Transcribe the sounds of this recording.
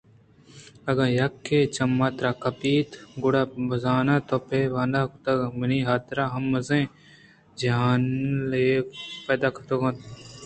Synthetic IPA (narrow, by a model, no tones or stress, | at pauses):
ɐɡɐjɐkʰːet͡ʃɐmːaːt̪ɾaːkɐpiːt̪ɡʊɽaːbɐzaːnaːt̪opeʋaːnd̪akt̪ɐɡmɐniːɦaːt̪ɾaːɦɐmːɐzẽː | d͡ʒaːnleːpeːd̪aːkɐt̪oɡɐ̃t̪